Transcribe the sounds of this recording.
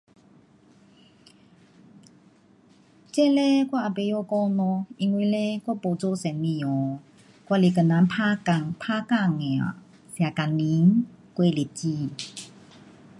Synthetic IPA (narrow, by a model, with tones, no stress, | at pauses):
t͡ɕɛ˥˨lɛ˦kwa˥˨ʔa˨pe˧˨jo˧˨kɔ˧nɔ̃˧i˧ŋwi˧˦lɛ˦kwa˥˨po˧˨t͡so˧˦˨sɛ˨nmĩ˧˨jɔ˨˦ | kwa˥˨li˧˨kə˨na˨˧˦npʰa˦ka˧˨ŋpʰa˥˦˨ka˥˧˨ŋɛ˨a̰˨ | sja˨ka˨nli˧˦ŋkwe˧˦˨li˨t͡ɕi˧˨